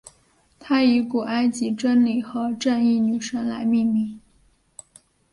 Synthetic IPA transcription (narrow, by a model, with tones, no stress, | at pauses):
t̪ʰa˥i˧˥ku˨˩ʔa˥ɪt͡ɕi˧˥ʈ͡ʂə˥nli˨˩xɤ˧˥ʈ͡ʂə˥˧ni˥˩ny˨˩ʂə˥nla˧˥ɪmi˥˧ŋmi˥˩ŋ